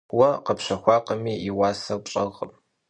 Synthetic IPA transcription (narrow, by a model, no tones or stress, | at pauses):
wɐqəpɕʷɐxʷɑːqəmiːiwaːsɐpɕʼɐʁəm